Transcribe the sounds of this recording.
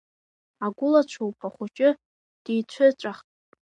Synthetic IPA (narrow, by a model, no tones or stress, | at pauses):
aɡʷʊlat͡ʃʷʰowpʰaχʷʊt͡ʃʼɪ | d̥ijt͡ɕʷʰɨt͡ʃʷʼaχtʼ